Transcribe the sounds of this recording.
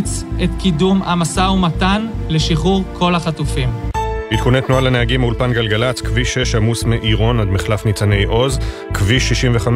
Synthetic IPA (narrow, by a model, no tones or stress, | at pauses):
t͡set̪kidumamasaumatanleʃiχuʁkʰo̞laχatufimbit̪̚kunet̪nualaneaɡimaulpanɡalɡalat͡skviʃe̞ʃhamusmeʔiʁo̞nad̪miχlafnit͡sane̞jʔo̞z | kviʃiʃimveχam